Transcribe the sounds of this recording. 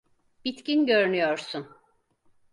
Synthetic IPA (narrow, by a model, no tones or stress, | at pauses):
b̥it̪cinɟøɾnyjoɾsun